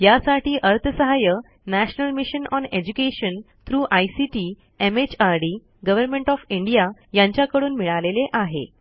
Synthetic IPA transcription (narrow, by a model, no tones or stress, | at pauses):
jasaʈiːʔəɾt̪ʰəsəɦajə | næɕnəlmiɕənɔned͡ʑukeɕən | t̪ʰɾuːʔajsiʈiː | emet͡ɕaɾɖi | ɡəʋəɾmeɳʈɔfiɳɖijajãɲt͡ɕjakəɽuːnmiɭaleleʔaɦḛ